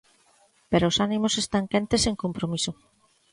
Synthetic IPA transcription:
peɾoːsanĩmosest̪aŋkent̪eseŋkompɾomiso

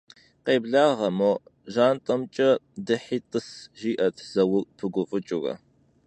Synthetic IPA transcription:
qeːbɮaːʁɐmoʒaːntʼɐmt͡ʃʼɐdɨħiːtʼɨsʒiːʔɐtʰz̥ɐwʊpʰɨɡʷʊfʼɨt͡ʃʼʊrɐ̰

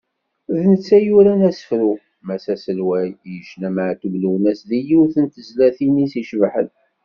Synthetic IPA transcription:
ðnət͡sːæjuɾænæsə̥fɾu | mæsæsəlwæjjəʃnæmʕt̪əbluwənæsðijiwθənt̪əzlæθinisiʃvħə̰n

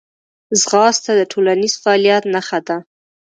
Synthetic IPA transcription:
zɣɑst̪ad̪əʈʰolaniz̥faɑlijat̪naxad̪a

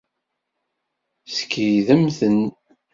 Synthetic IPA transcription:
skʰːiðəmθən

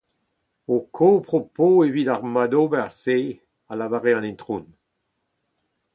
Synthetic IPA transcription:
okʰopʁopoevidaʁmadobɛase | alavaʁeɑ̃nɛ̃ntʁun

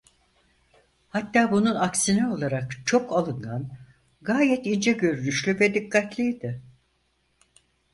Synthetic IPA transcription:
hat̪ːaːbununaksinɛo̞lˠaɾakt͡ʃʰo̞kalˠɯŋɡan | ɡaːjɛt̪ind͡ʒɛɟø̞ɾynyʃlʲyvɛd̪ikʰːat̪lʲijd̪ɪ

